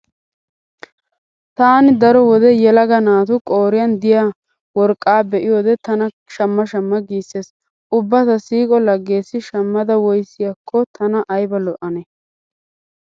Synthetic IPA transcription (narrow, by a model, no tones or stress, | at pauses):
t̪aːnɪd̪ɐɾɔwɔd̪ɛjɛlɐɡɐnaːt̪ʊkʼoːɾɪjɐnd̪ɪja | wɔɾkʼːaːbɛʔɪjoːd̪ɛt̪ɐnɐ | ʃɐmːɐʃɐmːɐɡiːsːeːs | ʔʊbːɐt̪ɐsiːkʼɔlɐɡːe̞ːsːɪʃɐmːɐd̪ɐwɔjsːɪjɐkʰːɔt̪ʰɐnɐʔɐjbɐlɔʔɐnɛ